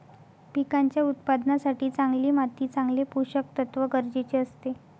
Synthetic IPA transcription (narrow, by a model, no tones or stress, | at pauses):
pikaɲt͡ɕjaut̪̚pad̪nasaʈiːt͡saŋɡliːmat̪iːt͡sãŋɡlepuɕək̚t̪ət̪ʋəɡəɾd͡ʑet͡ɕeəst̪e